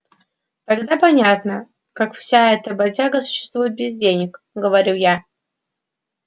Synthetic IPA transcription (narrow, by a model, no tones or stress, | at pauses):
t̪aɡd̪apɐnʲat̪nə | kakfsʲaɛt̪əbɐzʲaɡəsʊ̥ɕːɪ̥st̪vujɪt̪̚bʲɪzdʲenʲɪk | ɡəvɐɾʲuja